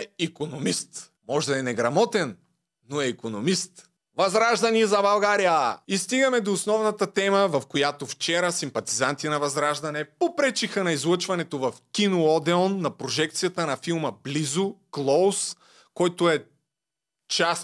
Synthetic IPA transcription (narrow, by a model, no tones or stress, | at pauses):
ikonomist̪ | mɔʒd̪ɐɛnɛɡɾɐmɔt̪ɛnː | oɛikonomist̪ | vɐzɾaʒd̪ɐnizɐbɐlˠɡaɾijəist̪iɡɐmɛd̪oːsnɔvnɐt̪ɐt̪ɛməvɐfkojat̪oft͡ʃɛɾəsimpɐt̪izant̪inɐvɐzɾaʒd̪ɐnɛpopɾɛt͡ʃixənɐizlˠət͡ʃvɐnɛt̪ovɐfkʲinoɔd̪ɛɔnːɐpɾoʒɛkt̪sijɐt̪ənɐfilˠməblizʊklˠos | kɔjt̪oɛ | t͡ʃas